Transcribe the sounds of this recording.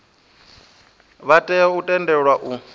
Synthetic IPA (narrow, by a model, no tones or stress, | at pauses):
βatʼɛutʼɛndɛɺwaʔu